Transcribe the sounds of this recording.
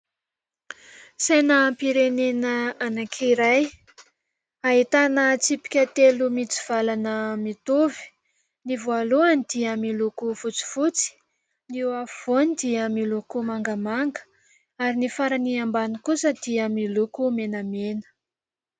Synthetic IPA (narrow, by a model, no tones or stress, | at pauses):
sajnəmpiɾenenəanakʰiɾaj | aɦit̪anət͡sipi̥kʲat̪elumit͡si̥v̥alanəmit̪uvi̥ | nivualuanid̪̥iəmilukufut͡si̥vut͡si̥ | niwav̥onid̪iəmilukumaŋɡəmaŋɡə̥ | aɾinifaɾəniambanikusəd̪̥iəmilukumenamenə̥